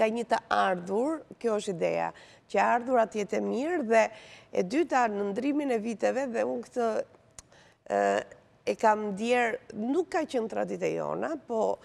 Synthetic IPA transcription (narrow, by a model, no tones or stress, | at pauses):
ŋɡaɲət̪əaɾðuɾkjɔɔʃt̪id̪ɛ̰a̰ | cəaɾðuɾat̪jɛt̪ɛmiɾðɛɛ̰d̪yt̪anənd̪ɾiminɛvit̪ɛvɛðɛunkt̪ə | ɛkamd̪jɛɾnukːat͡ɕənt̪ɾa̰d̪it̪ɛjɔ̰napɔ